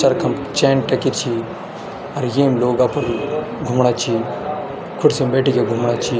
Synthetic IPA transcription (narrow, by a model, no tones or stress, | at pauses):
t͡ʃɐɾkʰɐmt͡ʃeːnʈɐkit̪t͡ʃʰi | ɐɾjeːmloːɡapɐɾ | ɡʱumɽat͡ʃʰi | kʰuʈsembeʈikeɡʱumɽat͡ʃʰi